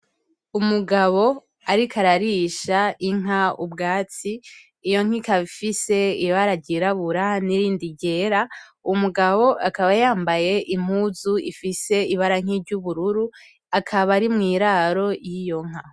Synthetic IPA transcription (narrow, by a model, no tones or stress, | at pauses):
umuɡaβo̞ | aɾikʰaɾaɾiʃaiŋ̥aubɡaːt͡siː | jo̞ŋ̥ikaβifise̞iβaɾaɟiɾaβuɾaniɾiːndiɟe̞ːɾaumuɡaβo̞ʔakaβajaːmbaje̞ʔim̥huzuḭfise̞iβaɾaŋ̥iɾɟuβuɾuɾu | akʰaβaɾimŋiːɾaɾo̞jijo̞ŋ̥a